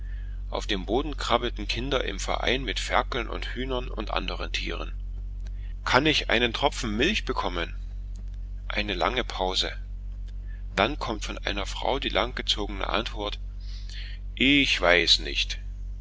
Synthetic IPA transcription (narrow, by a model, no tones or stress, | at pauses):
ʔa̰ʊfd̥eːmboːdn̩kʁ̥abl̩tn̩kʰɪndɐʔɪ̰mfɛɐʔa̰ɪnmɪtfɛɐkl̩nʔʊ̰nthyːnɐnʊ̰ntʔa̰ndəʁəntʰḭːʁ̞ən | kʰanɪçʔa̰ɪnəntʁ̥ɔp͡fn̩mɪlçb̥əkʰɔmən | ʔa̰ɪnəla̰ŋəpʰaʊzə̰ | d̥ankʰɔmtfɔnʔa̰ɪnɐfʁ̥a̰ʊdiːlʔaŋɡ̥ət͡soːɡənə̰ʔa̰ntv̥ɔɐt | ʔɪçv̥aɪsnɪ̰çt